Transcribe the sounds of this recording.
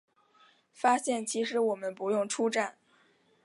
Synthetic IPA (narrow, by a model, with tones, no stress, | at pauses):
fa˥ɕjɛ˥˩nt͡ɕʰi˧˥ʂɻ̩˧˥wɔ˨˩mə˦npu˧˥jʊ˥˩ŋʈ͡ʂʰu˥ʈ͡ʂa˥˩n